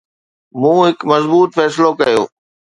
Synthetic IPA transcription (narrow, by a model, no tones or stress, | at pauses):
mũːɦɪkmɐzbuːt̪fɛːsɪlokɐjo̰ː